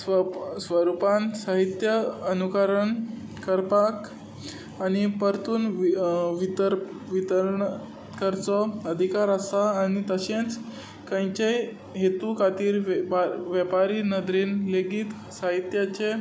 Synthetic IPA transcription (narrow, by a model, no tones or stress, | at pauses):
sʋəɾupansaɦit̪jəənukəɾəɳ | kəɾpak | añipəɾt̪uːn | ʋit̪əɾ | ʋit̪əɾɳ | t̪kəɾt͡sɔəd̪ʱikaɾəsaːñit̪əɕẽt͡s | kə̃jt͡ɕej | ɦet̪ukʰat̪iːɾaʋjəpaɾiːnəd̪ɾiːnleɡiːt̪ | saɦit̪jat͡ɕe